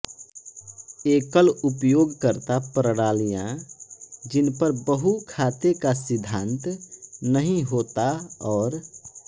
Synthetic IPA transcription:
ekəlupjoɡkəɾt̪apɾəɽaːlijã | d͡ʒɪnpəɾbəɦukʰat̪ekasɪd̪ʱːãnt̪nəɦĩɦot̪aɔːɾ

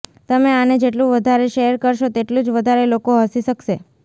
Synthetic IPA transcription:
t̪əmeaned͡ʒeʈ̬lũʋəd̪ʱaɾeʃeɾkəɾʃot̪eʈlũd͡ʒʋəd̪ʱaɾelokoɦəsiʃəkʃe

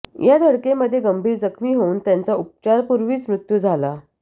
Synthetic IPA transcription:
jʔad̪ʱəɽkeməd̪ʱːjeɡəmbʱiːɾd͡zəkʰmiːɦouːnt̪jant͡saup̚t͡ɕaɾpuɾʋiːt͡smɾut̪jud͡zʱala

